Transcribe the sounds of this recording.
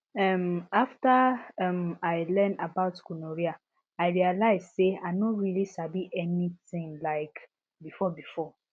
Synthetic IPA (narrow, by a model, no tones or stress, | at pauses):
ɛmaftaɛmaɪlɛ̃ndabaʊtkunoɹia | aɪɹialaɪzseaɪnoɹilisabiʔɛnitĩŋlaɪk | bifɔbifɔ